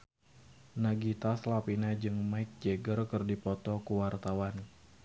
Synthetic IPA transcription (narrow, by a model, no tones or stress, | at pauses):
naɡit̪aslapinad͡ʒɨŋmaɪk̚d͡ʒeɡərkɨrdipɔt̪ɔkuwart̪awan